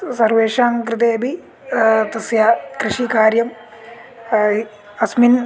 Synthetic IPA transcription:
sɐrʋeːʂaːmkɾɨt̪eːɐbʱi | t̪ɐsjakɾɨʂikaːɾjɐm | ɐsmin

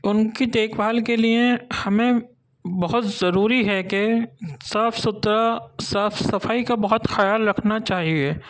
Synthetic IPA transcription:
ʊnkit̪eːkbaːlkeliehɐmẽ | bɐɦʊt̪zɐɾuːɾiɦɛkesaːfsʊt̪ɾasaːfsɐfaːikabɐɦʊt̪xɐjaːlɾɐkʰnat͡ʃaːɦieː

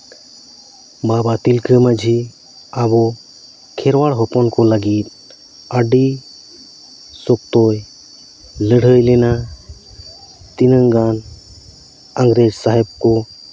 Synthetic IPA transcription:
babat̪ilkʰəmad͡ʒʱi | abo | kʰeɾʋaɽɦɔpɔnkolaɡiːt̪ | aɖi | sok̚t̪oj | ləɽ̤əjlena | t̪inəŋɡan | əŋɡɾed͡ʒsaɦɛb̚ko

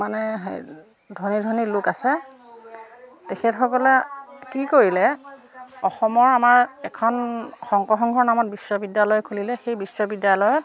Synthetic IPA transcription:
manɛɦ | dʱɔnidʱɔnilʊkasɛ | tekʰɛtxɔkɔlɛkikoɹilɛ | ɔxɔmɔɹamaɹɛkʰɔnxɔŋkɔxɔŋɡʱɔɹnamɔt̚bisːɔbidjalɔjɔkʰulilɛxejbisːɔbidjalɔjɔt̚

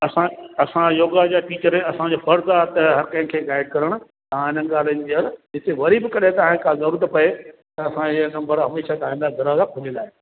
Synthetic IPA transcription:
ɐsãɐsãjoːɡad͡ʑaʈiːt͡ɕəɾẽɐsãd͡ʑoːfɐɾzaːt̪ɦɐɾkɐ̃ɦɪ̃kʰeːɡaːɪɖ̚kɐɾəɽ̃ʊ̆ | t̪ɐãɪn̤ənɡaːl̤ənɪd͡ʑiɐld͡ʑɪt̪eʋɐɾibɪkɐɗet̪ɐãẽkazɐɾuːɾət̪pɐet̪ɐɐsãɪənɐ̃mbʱəɾɦɐmeːʃat̪ɐaĩnd̪aɡɐɾazakʰʊlẽlaːɦe

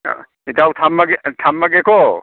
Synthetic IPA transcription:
itawtʰamːaɡetʰamːaɡekʰɔ

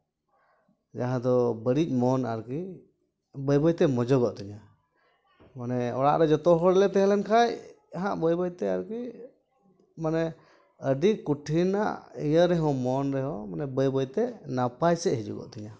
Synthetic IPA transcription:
d͡ʒaɦãd̪ɔbəɽic̚ˀmɔna̰ɾki | bəjbəjt̪ɛmɔd͡ʒɔɡɔʔt̪ɛɲa | manɛɔ̰ɽa̰ʔɾɛd͡ʒɔt̪ɔɦɔɾlɛt̪ɛɦlɛnkʰaj | aɦãʔbəjbəjt̪ɛa̰ɾki | manɛ | əɖikuʈʰina̰ʔijəɾɛɦɔ̃mɔnɾɛɦɔmanɛbəjbəjt̪ɛnapajsɛʔɦid͡ʒṵɡɔ̰ʔt̪ɛɲa

